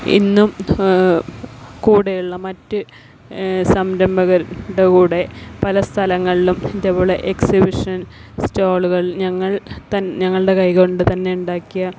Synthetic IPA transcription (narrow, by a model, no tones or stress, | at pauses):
ḭnːum | kuːɽejuɭːɐmɐtːɨ | sɐmɾɐmbʱɐɣɐɾɽɐkuːɽe̞pɐlɐst̪ʰɐlɐŋːɐɭilumd̪epoːɭeʔeksibiʂɐnstoːɭuɣɐɭɲɐŋːɐɭt̪ɐɲɐŋːɐɭɨɽe̞kɐjko̞ɳɖɨt̪ɐnːe̞uɳɖaːkːijɐ